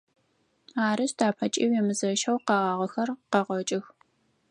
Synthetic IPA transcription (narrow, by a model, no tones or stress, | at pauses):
aːɾɨʃdʰaːpʰɐt͡ʃʼiːwjɛmɨzɐʃɐwqɑːʁɑːʁɐxɐrqɐʁʷɔt͡ʃʼɪx